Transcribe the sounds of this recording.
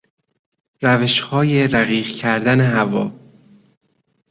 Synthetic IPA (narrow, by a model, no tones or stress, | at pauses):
ɾæve̞ʃhɒːje̞ɾæɣiːɢcʰæɾd̪æneɦævɒ̰ː